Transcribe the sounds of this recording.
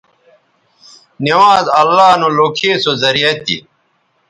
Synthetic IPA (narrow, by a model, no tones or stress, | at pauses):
niwaːzɐlːaːnoloːkʰeːsozɐɾiɐt̪ḭ